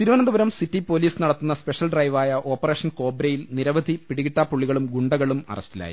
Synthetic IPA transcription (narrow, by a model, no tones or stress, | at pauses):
t̪iɾuʋɐnɐnd̪ubɐɾɐmsitːipo̞ːliːsnɐɽɐt̪ːunːɐspeʂɐlɖrɐjʋaːjɐʔo̞ːpːɐre̞ːʂɐnko̞ːbɾejilniɾɐʋɐd̪ʱipiɽiɣiʈːaːpːuɭːiɣɐɭumɡuɳɖɐɣɐɭumɐ̰rɐ̰stila̰ːjḭ